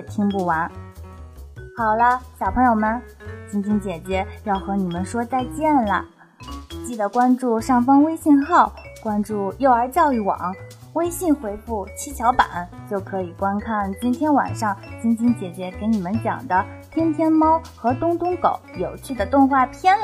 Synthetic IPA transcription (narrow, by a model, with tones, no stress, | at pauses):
t̪ʰi˥ŋpu˥˩wa˧˥n | xɑ˨˩ʊlə˦ɕɑ˨˩ʊpʰɤ˧˥ŋjo˨˩ʊmə˧˦nt͡ɕi˥nt͡ɕi˥nt͡ɕjɛ˨˩t͡ɕjɛ˧˥jɑ˥˩ʊxɤ˧˥ni˨˩mə˦nʂwɔ˥t͡sa˥˧ɪt͡ɕjɛ˥˩nlə̰˩ | t͡ɕi˥˩d̪ə˩kwa˥nʈ͡ʂu˥˩ʂɑ˥˩ŋfɑ˥ŋwe˥ɪɕi˥˧nxɑ˥˩ʊkwa˥nʈ͡ʂu˥˩jo˥˩ʊə˞˧˥t͡ɕjɑ˥˧ʊi˥˩wɑ̰˨˩˦ŋ | we˥ɪɕi˥˩nxwe˧˥ɪfu˥˩t͡ɕʰi˥t͡ɕʰjɑ˧˥ʊpa̰˨˩˦nt͡ɕjo˥˩ʊkʰɤ˧˥i˨˩kwa˥nkʰa˥˩nt͡ɕi˥nt̪ʰjɛ˥nwa̰˨˩nʂɑ˥˩ŋt͡ɕi˥nt͡ɕi˥nt͡ɕjɛ˨˩t͡ɕjɛ˧˥ke˧˥ɪni˨˩mə˦nt͡ɕjɑ̰˨˩ŋd̪ə˦ | t̪ʰjɛ˥nt̪ʰjɛ˥nmɑ˥ʊxɤ˧˥t̪ʊ˥ŋt̪ʊ˥ŋko˨˩˦ʊjo˨˩ʊt͡ɕʰy˥˩d̪ə˩t̪ʊ˥˧ŋxwa˥˩pʰjɛ˥n